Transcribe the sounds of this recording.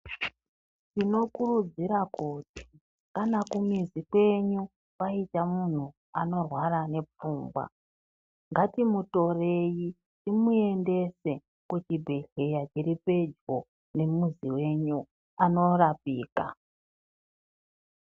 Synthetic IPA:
tino̞kurud͡ziɾakuːti̥ | kanakumizikwe̞ɲu | kaitamun̤u | a̰no̞rwaɾane̞p͡fuːŋɡwa̰ | ŋɡatimuto̞re̞ji | timue̞nde̞se̞ | kutibʱe̞ɬe̞jat͡ʃiɾipe̞d͡ʒɡo̞ | ne̞muziwe̞ɲu | ano̞rapiːka̰

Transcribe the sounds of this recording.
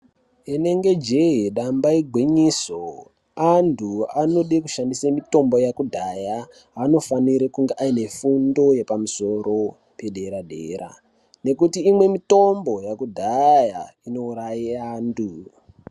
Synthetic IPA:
ine̞ŋɡe̞d͡ʒe̞iɗambaiɡʱwiɲiso | andʱuano̞ɗikuʃandisemito̞mbo̞jakudʱaja | ano̞faniɾekuŋɡeʔaine̞fundo̞je̞pamuso̞ɾo̞ | pe̞ɗʱe̞ɾadʱḛːɾa̰ | ne̞kutiːmwe̞mito̞mbo̞jakudʱaja | ino̞uɾajiaːndu

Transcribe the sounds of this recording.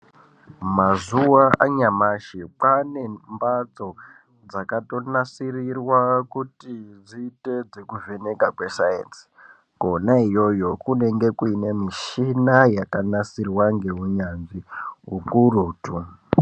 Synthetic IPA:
mazuwaʔaɲamaʃipane̞mbat͡so̞ | d͡zakato̞nasirirwakutid͡ziːte̞d͡zekuve̞ne̞kakwe̞sajḛnsi̥ | ɡ̥ʱo̞naijo̞jo̞kune̞ŋɡe̞kuinemiʃinajakanasirwaŋɡe̞ɦuɲanʐiɦukuruːtu

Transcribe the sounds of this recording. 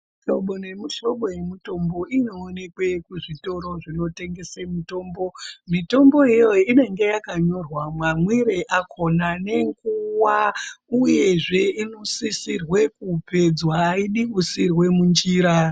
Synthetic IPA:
ʃo̞ɓonemiʃo̞ɓo̞je̞mito̞mbo̞ʔino̞ːne̞kwekuʐito̞ɾo̞ʐino̞te̞ŋɡe̞semito̞ːmbo̞mito̞mbo̞ijo̞ine̞ŋɡe̞jakaɲo̞rwamwamwiɾeʔakʰo̞nane̞ŋɡuwauje̞ʐe̞inosisirwe̞kupe̞d͡zwaːiɗiɓusirwe̞mund͡ʒiːɾa

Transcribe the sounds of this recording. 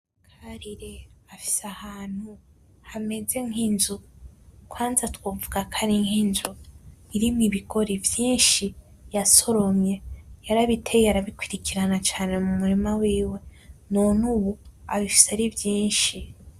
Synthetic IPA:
kʰaɾiɾe̞afi̥sahaːn̥hu | hame̞ze̞ŋinzukʰwaːnzatwovuɡakʰaɾiŋhinzuiɾimiβiɡo̞ɾivjiːnʃi | jaso̞ɾo̞mɲe̞jaɾaβitʰejaɾaβikwiɾikiɾanat͡ʃaːne̞mumuɾimawiːwe̞nonuwuaβifi̥saɾivjiːnʃi

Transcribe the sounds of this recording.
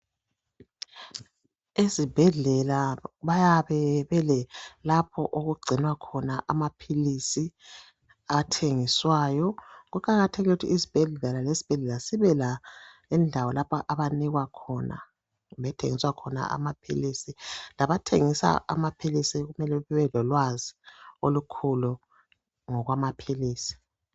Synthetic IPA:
izib̥ʱɛɮɛlaβajaβɛβɛlɛlapʰɔʔoɣuɡ͡ǀʱinwakʰɔnaʔamapʰilisi | atʰeŋiswaːjɔɣukʰʼaɣatʰeɣiutʰiizib̥ʱɛɮɛlalezi̥b̥ʱɛɮɛlasiβɛla | indʱawɔlapʰaʔaβaniɣwakʰɔna̰ | βɛtʰḛŋiswakʰɔna̰ʔa̰mapʰḭlisilaβatʰeŋisa̰ʔa̰mapʰilisiɣumɛlɛɛwɛlɔlwaziolukʰulu | ŋɔɣwamapʰiliːsi̥

